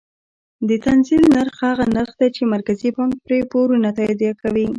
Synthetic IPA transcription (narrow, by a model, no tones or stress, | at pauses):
d̪ət̪anzilnaɾxhaɣanəxd̪at͡ʃemaɾkazipɑŋk̚pɾepoɾunat̪ɑjd̪jakawi